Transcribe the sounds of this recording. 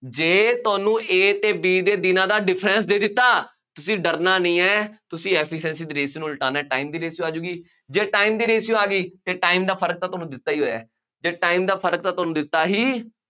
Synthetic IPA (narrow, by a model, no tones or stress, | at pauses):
d͡ʒeːt̪ʊaːnũːʔeːt̪eːbiːd̪eːd̪ɪnãːd̪aːɖɪpʰɾɛnsd̪eːd̪ɪt̪ːaː | t̪ʊsĩːɖəɾnaːnəĩːɛːt̪ʊsĩːɛːpʰɪʃɛ̃ːnsiːd̪iːɾeːsinũːlʈaːnaɛːʈaːiːmd̪iːɾeːsjuːaːd͡ʒuːɡiː | d͡ʒeːʈaːiːmd̪iːɾeːsjõːaːɡiːt̪eːʈaːimd̪aːpʰəɾək̚t̪aːt̪ʊoaːnũːd̪ɪt̪ːaːiːɦoːja̰ː | d͡ʒeːʈaːimd̪aːpʰəɾək̚t̪aːt̪ʊaːnũːd̪ɪt̪ːaːɦiː